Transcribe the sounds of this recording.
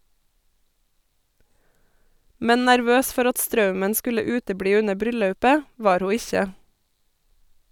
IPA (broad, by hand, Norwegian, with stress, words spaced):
ˈmɛn næɾˈʋøːs ˈfɔɾ ˈɑt ˈstɾɑʉmən ˈskʉlə ˈʉːtəˌbɽiː ˈʉnə ˈbɾʏˌlɑʉpə ˈʋɑːɾ ˈhuː ˈɪçə